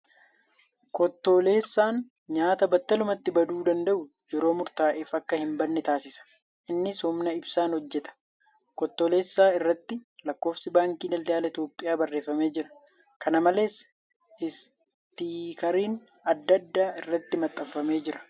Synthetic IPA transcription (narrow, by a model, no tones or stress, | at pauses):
kɔt̪ːo̞ːle̞ːsːaːn | ɲaːt̪ɐbɐt̪ːɐlʊmɐt̪ːɪbɐd̪uːd̪ɐnd̪ɐʔʊ | jɛɾo̞ːmʊɾt̪aːʔeːfɐkːɐhɪmbɐnːɛt̪aːsɪsɐ̥ | ʔɪnːɪsɔmnɐɪbsaːnhɔd͡ʒːɛt̪ɐ̥ | kɔt̪ːoːle̞ːsːaːɪrːɐt̪ːɪlɐkːo̞ːfsɪbaːŋkiːdɐld̪aːlɐɪt̪jo̞ːpʼːɪjaːbɐrːe̞ːfːɐme̞ːd͡ʒɪɾɐ | kɐnɐmɐle̞ːs | ɪs | t̪iːkɐɾiːn | ɐd̪ːɐd̪ːaːɪrːɐt̪ːɪmɐt̪ʼːɐffːɐme̞ːd͡ʒɪɾɐ̥